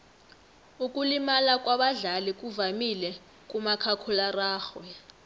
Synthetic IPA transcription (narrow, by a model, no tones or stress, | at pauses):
ukʼulimalakʼwaɓaɮalik̬ʼuvamilɛ | k̬ʼumakʰakʰularaːxwɛ